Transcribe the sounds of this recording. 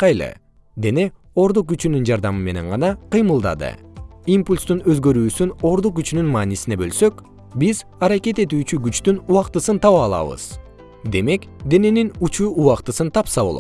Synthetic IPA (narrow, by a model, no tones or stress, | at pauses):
qɑjlˠɯ̰ | d̪e̞ne̞ | o̞ɾd̪uq̚ɡyt͡ʃynynd͡ʒɑɾd̪ɑmɯme̞ne̞ɴʁɑnɑqʰɯjmɯlˠd̪ɑ̰d̪ɯ̰impulʲst̪unø̞zɡø̞ɾyːsyno̞ɾd̪uq̚ɡyt͡ʃynynmɑːnisine̞bø̞lsø̞k | biz | ɑɾɑke̞t̪e̞t̪yːt͡ʃyɡyt͡ʃt̪ynuɑqt̪ɯsɯnt̪ʰɑβɑːlˠɑ̰βɯ̰z̥ | d̪e̞me̞kd̪e̞ne̞ninut͡ʃuːuɑqt̪ɯsɯnt̪ʰɑpsɑβolˠot̪